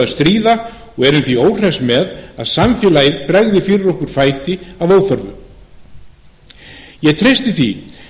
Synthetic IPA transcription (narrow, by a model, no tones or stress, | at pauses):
aðst̪ɾiːða | ɔɣɛɾʏmθvioːwr̥ɛsmɛðaðsamfɪːlajɪðpɾɛɣðɪfɪːɾɪɾɔhkʏɾ̥faːjt̪ɪavoːwθœɾvʏ | jɛɣt̪ʰɾejst̪ɪθi